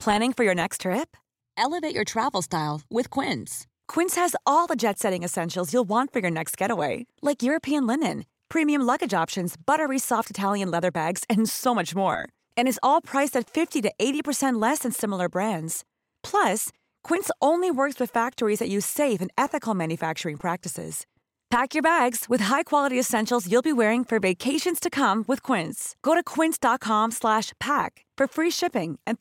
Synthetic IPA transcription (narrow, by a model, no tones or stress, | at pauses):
pʰl̥æ̃ñɪ̃ŋfə˞jə˞nɛkstʰɹ̥ɪp̚ | ɛlˠəveɪt͡ʃə˞tʰɹ̥ævl̩ˠstaɪlˠwɪð̥kʰw̥ɪ̃ns | kʰw̥ɪ̃nshɨzɔlˠðəd͡ʒɛtsɛɾɪ̃ŋɨsɛ̃nʃl̩ˠzjulˠwɑ̃ntfə˞jə˞nɛkst̚ɡ̥ɛɾəweɪlaɪkjʊɹɨpʰiɨ̃nlɪ̃nɨ̃n | pʰɹ̥ĩmiɨ̃mlʌɡɨd͡ʒɑpʃɨ̃nzb̥ʌɾə˞isɔftɨtʰælˠjɨ̃nlɛðə˞bæɡz̥ɨ̃nsoʊmʌt͡ʃmɔ̰ɹ | ɨ̃ñɨzɔlˠpʰɹ̥aɪsɨtfɪftiɾɨʔeɪɾipə˞sɛ̃nʔlɛsɨ̃nsɪ̃ml̩ˠə˞bɹæ̃ndz̥ | pʰl̥ʌs | kʰw̥ɪ̃ntsõʊ̃nliwɜ˞kswɨð̥fæk̚tə˞izðɨt͡ʃʉ̥seɪvɨ̃nɛθɨkl̩ˠmæ̃njɨfæk̚t͡ʃə˞ɪ̃ŋpʰɹ̥æk̚tɨsɪ̰z̥ | pʰækjə˞bæɡz̥wɨð̥ɦaɪkʰw̥ɑlˠəɾiɨsɛ̃nʃl̩ˠzjulˠbiwɛɹɪ̃ŋfə˞veɪkʰeɪʃɨ̃nz̥tʰɨkʰʌ̃mwɨð̥kʰw̥ɪ̃ntsɡ̥oʊɾɨkʰw̥ɪ̃ntsd̥ɑt̚kʰɑ̃mslæʃpʰæk | fə˞fɹiʃɪpɪ̃ŋʔɨ̃n